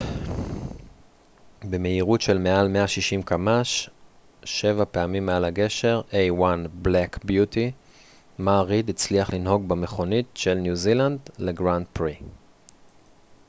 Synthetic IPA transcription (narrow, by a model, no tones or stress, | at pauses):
beme̞iʁutʃe̞lme̞almeaʃiʃimkamaʃ | ʃe̞vapeamimːealaɡe̞ʃe̞ʁʔejwanblekbjuti | maːʁidit͡sliaχlinɦo̞ɡbeme̞χo̞nitʃe̞lnjuziland̪leɡʁand̚pʁi